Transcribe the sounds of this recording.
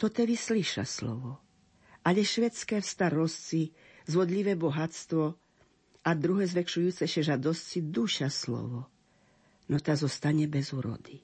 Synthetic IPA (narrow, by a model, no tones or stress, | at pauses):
t̪ɔt̪ɛʋisliʃa̰slɔ̰ʋɔ | ʔaʎɛʃʋɛt͡skɛːfst̪aɾɔst͡si | zʋɔd̪ʎiʋɛbɔɦat͡st̪ʋɔ | ad̪ɾuɦɛzʋɛkʃujuːt͡sɛʃɛʒad̪ɔst͡sid̪uʃaslɔ̰ʋɔ | nɔt̪azɔst̪aɲɛbɛzuːɾɔ̰d̪i